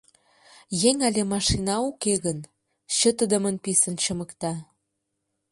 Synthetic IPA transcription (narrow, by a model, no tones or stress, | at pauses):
jeŋɑlʲemɑʃinɑukeɣən | ɕə̆t̪əd̪ə̆mənpisənt͡ɕə̆məkt̪ɑ